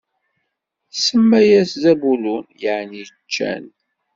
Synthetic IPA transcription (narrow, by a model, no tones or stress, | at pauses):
səmːæjæszæbulunjəʕnit͡ʃːæ̰n